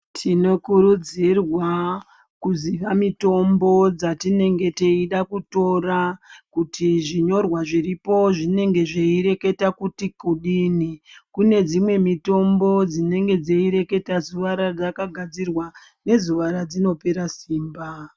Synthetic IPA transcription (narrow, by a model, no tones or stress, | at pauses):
tʰino̞kuɾud͡zirwa | kuziʋamito̞mbo̞d͡zatine̞ŋɡe̞te̞iɗakuto̞rakutʰiʐiɲo̞rwaʐiripo̞ʐine̞ŋɡe̞ʐeiɾe̞ke̞takutikuɗinikune̞d͡zimwe̞mito̞mbo̞d͡zine̞ŋɡe̞d͡zeiɾe̞ke̞tazuʋaɾad͡zakaɡʱad͡zirwa | ne̞zuʋaɾad͡zino̞pe̞ɾasiːmba